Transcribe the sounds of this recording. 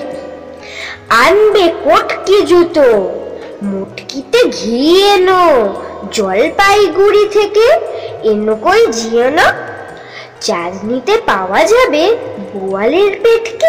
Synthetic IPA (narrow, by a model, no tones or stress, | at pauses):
anbekoʈked͡ʑut̪o | moʈkit̪eɡʱienod͡ʑɔlpajɡuɾit̪ʰekeenokoed͡ʑiono | t͡ɕad͡ʑnit̪epaoad͡ʑabeboaleɾpeʈke